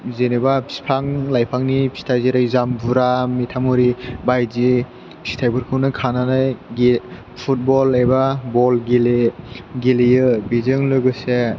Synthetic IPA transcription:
zenebapsi̥pʰaŋlajpʰaŋnipsi̥tʰajziɾajzambuɾamitʰamuɾibajzi | si̥tʰajbɯɾkʰɯwnɯkʰananajɡi | pʰut̚bɔlajbabɔlɡileɡilijɯbizɯŋlɯɡɯse

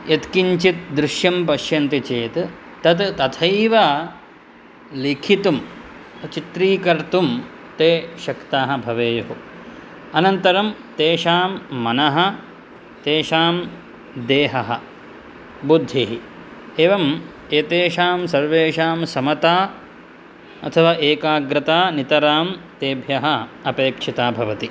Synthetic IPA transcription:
jɐt̪kiɲt͡ʃit̪̚d̪ɾɪʃjɐmpɐʃjɐnt̪it͡ʃeːt̪ | t̪ɐt̪t̪ɐt̪ʰɐjʋaː | likʰit̪um | t͡ʃit̪ɾiːkɐɾt̪um | t̪eːʃɐkt̪aːɦɐ̆bʱɐʋeːjɐɦu | ɐnɐnt̪ɐɾɐmt̪eːʃaːmːɐnɐɦɐ̆ | t̪eːʃaːm | d̪eːɦɐɦɐ̆ | bud̪ʱːiɦi | eːʋɐm | eːt̪eːʃaːmsɐɾʋeːʃaːmsɐmɐt̪aː | ɐ̰t̪ʰɐʋaːʔeːkaːɡɾɪt̪aːnit̪ɐɾaːmt̪eːbʱjɐɦɐɐpeːkʂit̪aːbʱɐʋɐt̪i

